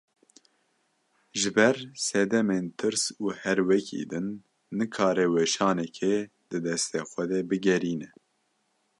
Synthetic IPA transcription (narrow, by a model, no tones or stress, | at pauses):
ʒɨbɛɾsɛd̪ɛmeːnt̪ʰɨɾsuːhɛɾwɛkʰḭːd̪ɨnː | ɨkʰɑːɾɛwɛʃɑːnɛkʰe | d̪ɨd̪ɛst̪eːxʷɛd̪ɛbɨɡɛɾiːnɛ